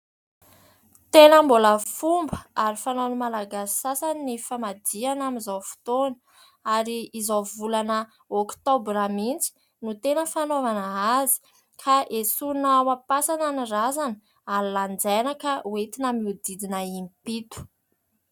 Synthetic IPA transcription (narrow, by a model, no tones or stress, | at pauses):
t̪enəmboləfumbəaɾifanonəmalaɡasi̥sasanːifamad̪ianamizawfu̥t̪onə | aɾiːzavulanə | okt̪obɾamint͡si̥ | nut̪enəfanovanəazi̥ | kʰaʔesunawapasananirazan | alland͡zajnakauet̪inamiud̪id̪inəimpit̪u̥